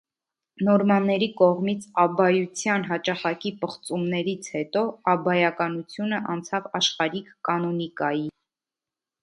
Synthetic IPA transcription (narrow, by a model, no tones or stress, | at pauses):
nɔɾmɑnːɛɾikɔʁmit͡sʰɑbɑjut͡sʰjɑnɦɑt͡ʃɑχɑkipəχt͡sumnɛɾit͡sʰhɛt̪ɔɑbɑjɑkɑnut͡sʰjunəʔɑnt͡sʰɑvɑʃχɑɾikʰːɑnɔnikɑji